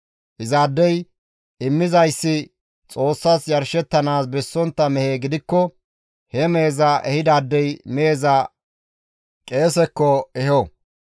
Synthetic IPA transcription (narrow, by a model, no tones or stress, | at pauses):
ʔɪzaːd̪ːɛj | ɪmːɪzɐjsːɪ | t͡sʼo̞ːsːɐsjɐɾʃɛt̪ːɐnaːsbɛsːɔnt̪ːɐmɛhe̞ːɡɪd̪ɪkːɔ | hɛme̞ːzɐʔɛhɪd̪aːd̪ːɛjme̞ːzɐ | kʼe̞ːsɛkːɔɛhɔ